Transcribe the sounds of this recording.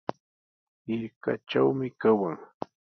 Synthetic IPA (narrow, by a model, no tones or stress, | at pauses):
ɪɾka̰t͡ʃawmɪkawaŋ